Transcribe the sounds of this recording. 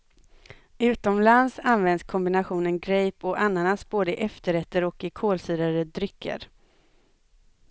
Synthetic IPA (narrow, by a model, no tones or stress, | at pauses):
ʉ̟ːt̪ɔmlansanvɛnd̪skʰɔmbɪnaɧuːnənɡɾɛjpɔʔanːanasboːd̪əɪʔɛft̪əɾɛt̪ːəɾɔkɪkʰoːlsyːɾaɾəd̪ɾʏkʰːə̰ɾ